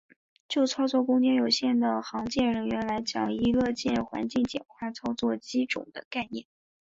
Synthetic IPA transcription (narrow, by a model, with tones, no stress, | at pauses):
t͡ɕjo˥˩ʊt͡sʰɑ˥ʊt͡swɔ˥˩kʊ˥ŋt͡ɕjɛ˥njo˨˩ʊɕjɛ˥˩nd̪ə˩xɑ˧˥ŋt͡ɕjɛ˥˩ɻə˧˥nɥɛ˧˥nla˧˥ɪt͡ɕjɑ̰˨˩ŋi˧˥lɤ˥˧t͡ɕjɛ˥˩nxwa̰˧˥nt͡ɕi˥˩ŋt͡ɕjɛ̰˨˩nxʰwa˥˩t͡sʰɑ˥ʊt͡swɔ˥˩t͡ɕi˥ʈ͡ʂʊ̰˨˩ŋd̪ə˦ka˥˧ɪnjɛ˥˩n